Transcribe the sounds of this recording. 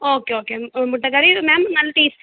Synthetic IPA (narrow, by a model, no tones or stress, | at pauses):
oːkeoːkemʊʈːɐkɐɾiɾmɛmnɐlːɐʈiːs